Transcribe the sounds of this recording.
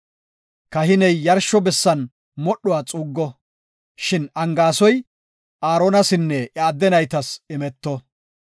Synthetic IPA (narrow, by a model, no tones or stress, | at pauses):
kɐɦɪnɛjːɐɾʃːɔbɛsːɐn | mɔɗːɔwaːt͡sʼuːɡːɔ | ʃɪnɐŋɡaːsɔj | ʔaːɾoːnɐsɪnːɛʔɪaːd̪ːɛnɐjt̪ɐsɪmɛt̪ːɔ